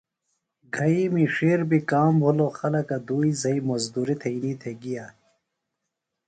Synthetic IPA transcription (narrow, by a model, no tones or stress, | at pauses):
ɡʱɐimiʂeːɾbikaːmbʱuloxɐlɐkɐd̪uːizɐimɐzd̪uːɾit̪ʰɐiniːt̪ʰeɡijaː